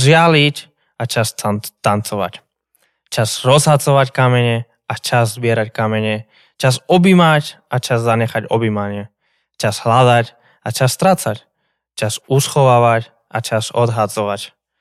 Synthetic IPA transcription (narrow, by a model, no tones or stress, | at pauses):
ʒɪalic | at͡ʃastt̪ant͡sɔʋa̰c | t͡ʃaz̥ɾɔzɦat͡sɔʋackamɛɲɛ | at͡ʃazzbɪɛɾackamɛɲɛ | t͡ʃazɔbimacʔat͡ʃazzaɲɛxaɟɔ̰bimaɲɪɛ | t͡ʃaz̥ɦlad̪ac | at͡ʃast̪ɾat͡sac | t͡ʃasusxɔʋaːʋac | ʔat͡ʃazɔd̪ɦad͡zɔʋac